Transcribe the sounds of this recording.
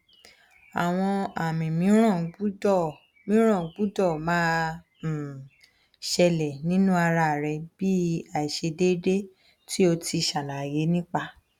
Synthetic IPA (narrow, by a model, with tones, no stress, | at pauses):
a˨w̃ɔ̃˧a˨mĩ˨mĩ˨˦ɾ̃ɔ̃˦˨˦u˦˨ | mĩ˨˦ɾ̃ɔ̃˦˨˦ɡ͡bu˦dɔ˦˨mãː˦˨ | ʃɛ˧lɛ˨nĩ˦nũ˦a˧ɾa˧˨ɾɛ˧b̥i˦a˨i˨ʃe˧de˦de˦ | ti˦o˧ti˧˨ʃa˨nã˨je˨˦nĩ˦k͡pa˧